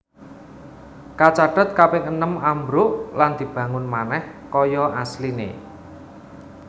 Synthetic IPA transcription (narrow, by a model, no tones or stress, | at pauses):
kat͡ʃaɖ̥ə̤t̪̚kapɛŋənəmambɾʊʔland̪̥i̤b̥ä̤ŋʊnmanɛhkɔjɔʔaslinḛ